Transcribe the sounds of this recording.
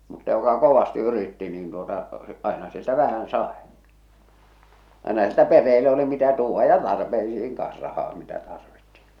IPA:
mutːɑ jokɑ koʋɑsti yritːi niːn tuotɑ ɑˑenɑ sieltæ ʋæhæn sɑˑe ɑˑenɑ sieltæ perːeːlːe oli mitæ tuːʋːɑ jɑ tɑrpeisiːŋ kɑ̃ːs rɑhɑː mitæ tɑrʋitːi̥

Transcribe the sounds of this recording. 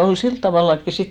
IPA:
ol silt tɑʋɑˑlːɑkːi sit

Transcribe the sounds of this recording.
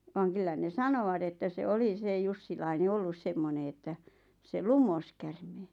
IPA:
ʋɑːŋ kylːæ ne sɑnowɑt etːæ se oli se jusːilɑine olːus semːone etːæ se lumos kærmeː

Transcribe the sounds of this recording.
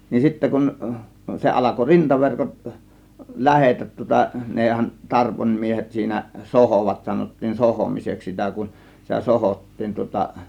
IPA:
nin sitːæ kun se ɑlɑko rintɑʋerkot læhetæt tŭŏtɑ neˑhæn tɑrponʲmiehet siːnæ sohoˑʋɑt sɑnotːiːn sohoˑmiseks sitæ kun sitæ sohoˑtːiːn tŭŏtɑ

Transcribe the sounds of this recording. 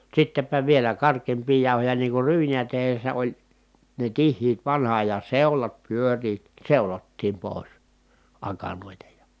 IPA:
sitːepæ ʋielæ kɑrkˑeːmpiː jɑˑu̞hojɑ niːŋ kur ryːnijæ tehesːæ olʲ ne tihːiːt ʋɑnhɑ ɑjɑn̞ seulɑt pyøriːt seulotːiːm poˑi̯s ɑkɑnoˑitɑ jɑ

